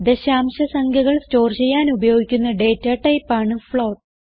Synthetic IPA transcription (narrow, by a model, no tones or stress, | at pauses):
d̪eɕaːmɕɐsɐŋkʰjɐɣɐɭsto̞ːrt͡ɕejːaːnubɐjo̞ːɡikʲːunːɐɖe̞ːtːaːʈɐjpːaːɳɨfɭoːʈ